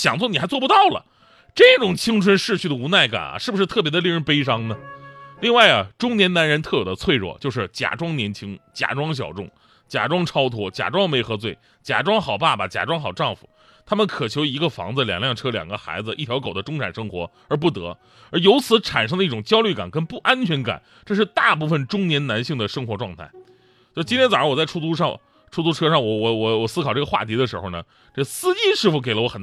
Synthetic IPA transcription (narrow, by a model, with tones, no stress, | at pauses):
ɕjɑ˨˩ŋt͡swɔ˥˩ni˨˩xa˧˥ɪt͡swɔ˥˩pt̪ɑ˥˩ʊlə̰˩ | ʈ͡ʂɤ˥˩ʈ͡ʂʊ˨˩ŋt͡ɕʰi˥ŋʈ͡ʂʰwə˥nʂɻ̩˥˧t͡ɕʰy˥˩d̪ə˩u˧˥na˥˩ɪka̰˨˩n̰˦ʂɻ̩˥˩bu˩ʂɻ̩˥˧t̪ʰɤ˥˩pjɛ˧˥d̪ə˧li˥˧ɻə˥pe˥ɪʂɑ˥ŋnə˨li˥˧ŋwa˥˩ɪɐ˩ʈ͡ʂʊ˥ŋnjɛ˧˥na˧˥nɻə˧˥nt̪ʰɤ˥˩jo˨˩d̪ə˦t͡sʰwe˥˧ɪɻwɔ̰˥˩t͡ɕjo˥˧ʊʂ̬ɻ̩˥˩t͡ɕja̰˨˩ʈ͡ʂwɑ˥ŋnjɛ˧˥nt͡ɕʰi˥ŋt͡ɕja̰˨˩ʈ͡ʂwɑ˥ŋɕ̬jɑ̰˨˩ʊʈ͡ʂʊ˥˩ŋ | t͡ɕja̰˨˩ʈ͡ʂwɑ˥ŋʈ͡ʂʰɑ˥ʊt̪ʰwɔ˥t͡ɕja̰˨˩ʈ͡ʂwɑ˥ŋme˧˥ɪxɤ˧˥t͡swe˥˩ɪ | t͡ɕja̰˨˩ʈ͡ʂwɑ˥ŋxɑ˨˩ʊpa˥˩bə˨˩t͡ɕja̰˨˩ʈ͡ʂwɑ˥ŋxɑ˨˩ʊʈ͡ʂɑ˥˩ŋfṵ˨˩ | t̪ʰa˥mə˨nkʰɤ˨˩t͡ɕʰjo˧˥ʊi˧˥ɡə˧fɑ̰˧˥ŋd͡zɹ̩˧ljɑ̰˨˩ŋljɑ˥˩ŋʈ͡ʂʰɤ˥ljɑ̰˨˩ŋɡə˦xa̰˧˥ɪd͡zɹ̩˧ʔḭ˥˩t̪ʰjɑ˧˥ʊko˨˩ʊd̪ə˦ʈ͡ʂʊ˥ŋʈ͡ʂʰa˨˩nʂɤ˥ŋxwɔ̰˧˥ | ə˞˧˥p̬u˥˩t̪ɤ̰˧˥ | ə˞˧˥jo˧˥ʊt͡sʰɹ̩˧˥ʈ͡ʂʰa˨˩nʂ̬ɤ˥ŋd̪ə˧i˥˩ʈ͡ʂʊ˨˩ŋt͡ɕjɑ˥ʊly˥˩ka˨˩nkə˥npu˥˩ʔa˥nt͡ɕʰɥɛ˧˥nka̰˨˩˦n | ʈ͡ʂɤ˥˧ʂ̬ɻ̩˥˧t̪a˥˧pu˥˩fə˨˩nʈ͡ʂʊ˥ŋnjɛ˧˥nna˧˥nɕi˥˩ŋd̪ə˩ʂɤ˥ŋxwɔ˧˥ʈ͡ʂwɑ˥˧ŋt̪ʰa˥˩ɪ | t͡ɕo˥˧˩t͡ɕi˥nt̪jɛ˥nt͡sa˨˩ɻwɔ˨˩t͡sa˥˩ɪʈ͡ʂʰu˥˩t͡su˥ʂɑ˥˧ŋ | ʈ͡ʂʰu˥˧t͡s̪u˥ʈ͡ʂʰɤ˥ʂɑ˥˩ŋwɔ˧˩wɔ˧˩wɔ˧˩wɔ˨˩sɹ̩˥kʰɑ˨˩ʊʈ͡ʂɤ˥˩ɡə˧xwa̰˥˩t̪ʰi˧˥d̪ə˧ʂɻ̩˧˥xo˥˧ʊnə˩ | ʈ͡ʂɤ˥˩sɹ̩˥t͡ɕi˥ʂɻ̩˥˩fu˧˩ke˨˧˩ɪlə˧wɔ˧˥xə˨˩n